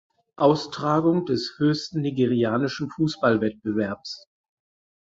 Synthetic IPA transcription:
ʔaʊstʁ̥aːɡʊŋdɛshøːçstn̩niɡeʁiaːnɪʃn̩fuːsb̥alvɛt̚b̥əvɛɐps

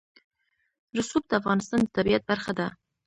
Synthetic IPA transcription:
ɾʊsub̚d̪əafɣɑnɪst̪ɑnd̪ət̪abijat̪̚baɾxad̪a

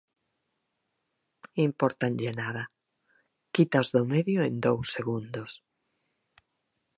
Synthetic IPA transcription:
impoɾt̪anʲʎenaða | kit̪azðomeðjoend̪owseɣ̞und̪os

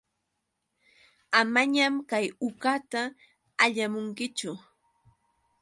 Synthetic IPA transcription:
amaɲamkajʊkat̪aː | ʎamʊŋkɪt͡ʃʊ

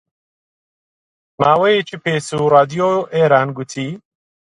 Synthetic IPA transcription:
maːwejet͡ʃiːpeːsuraːd̪ijoʔeːɾaːnɡʊt̪ʰiː

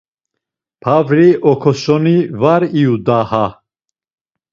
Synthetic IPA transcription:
pʰavɾiʔɔkʰɔsɔnivaɾiud̪aha

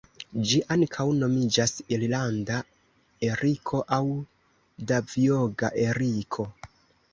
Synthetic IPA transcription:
d͡ʒiʔankʰawno̞mid͡ʒasillanda | e̞ɾikʰo̞ʔaw | davioɡaʔe̞ɾikʰo̞

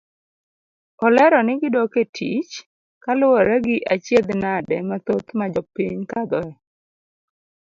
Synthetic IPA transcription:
ɔlɛɾɔnɪɡɪdɔketʰḭt͡ʃ | kalʊwɔɾɛɡɪʔat͡ʃjed̪nadɛmat̪ot̪mad͡ʒɔpiɲkad̪ɔɛ

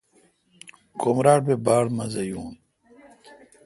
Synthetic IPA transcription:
komɾaːʈ̚bebaːɽmɐzɐjuːn

